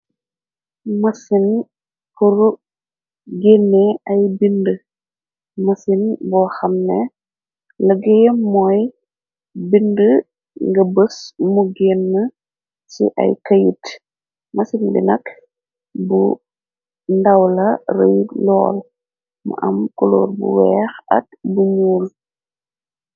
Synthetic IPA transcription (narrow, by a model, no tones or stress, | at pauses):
mɐsin | puɾ | ɡenːeʔɐjbində | mɐsinbɔxɐmnɛ | ləɡɛjɛmːɔj | bində | ŋɡɐbəsmuɡeːnːə | sḭʔɐ̰jkɐjit | mɐsinbḭnɐk | bu | ndɐwlɐrə̰jlɔ̰ːl | mṵʔɐ̰mkulo̰ːrbṵwɛːxɐ̰t̚buɲuːl